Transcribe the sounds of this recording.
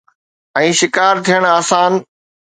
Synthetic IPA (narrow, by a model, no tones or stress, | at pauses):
ɛ̃ːʃɪkaːɾt̪ʰijəɽ̃aːsaːn